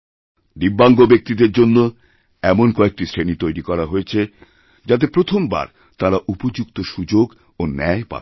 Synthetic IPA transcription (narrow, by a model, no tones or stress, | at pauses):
d̪ibːaŋɡobek̚t̪id̪eɾd͡ʑonːo | ɛmonkɔek̚ʈisʰɾenit̪ojɾikɔɾaɦoet͡ɕʰe | d͡ʑat̪̬epɾot̪ʰomba̰ɾ | t̪aɾaʔupod͡ʑukt̪oʃud͡ʑoɡ | onɛepa̰